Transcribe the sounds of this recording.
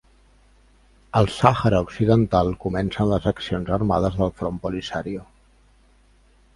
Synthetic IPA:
əlˠsaxəɾəuksiðənt̪alˠkumɛnsənləzəksionzərma̰ð̞əzðəlˠfɾompulisaɾiu

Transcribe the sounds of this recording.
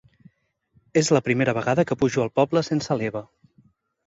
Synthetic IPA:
ezləpɾimeɾəβ̞əɣaðəkəpuʒuəlˠpɔbləsensəleβ̞ə

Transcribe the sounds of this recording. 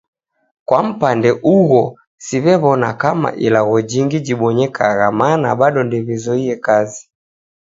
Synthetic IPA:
kwam̩pandɛʔuɣɔ | siβɛβɔnakama̰ʔilaɣɔd͡ʒiŋɡid͡ʒiɓɔɲɛkʰaɣamanaɓaɗɔndiβizɔiɛkazi

